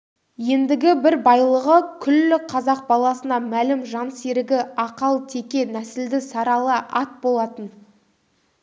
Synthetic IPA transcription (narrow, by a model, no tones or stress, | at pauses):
je̞nd̪ɪɡʲɪbɪɾbɑjlˠəʁəkʲʰʏlːɪqʰɑzɑq̚bɑlˠɑsənɑmælɪmʒɑnseɾɪɡʲɪɑqɑlˠt̪ʰe̞kʲe̞næsɪld̪ɪsɑɾɑlˠəʔɑt̪̚bo̞lˠɑt̪ən